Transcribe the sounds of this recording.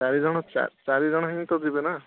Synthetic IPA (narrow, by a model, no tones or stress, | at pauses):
t͡ʃaɾid͡ʒɔɽ̃ɔa̰t͡ʃaɾid͡ʒɔɽ̃ɔɦiŋt̪ɔd̪ibena